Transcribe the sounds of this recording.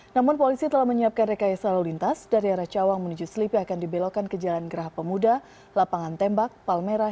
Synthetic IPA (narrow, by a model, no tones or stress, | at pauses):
namʊnpolisit̪əlahməɲiap̚kandekajasalolint̪asdaɾiaɾaht͡ʃawaŋmənud͡ʒusəlipiakandibelokankəd͡ʒalanɡəɾaɦapəmuda | lapaŋant̪ɛmbak̚palmeɾa